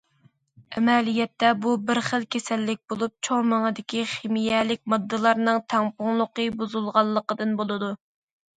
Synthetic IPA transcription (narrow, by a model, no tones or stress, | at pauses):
ɛmɛlijɛt̪ːɛbubɪɾχəlˠkʲʰesɛlːɪk̚ʲbolˠup̚t͡ʃʰoŋməŋəd̪ɪkʲiχemijɛlɪk̚ʲmɨd̪ːɨlˠɑɾnɨŋt̪ʰɛŋpʊŋlˠʊqəbuzulˠʁɑlˠːəqəd̪ɨnbolˠɨd̪u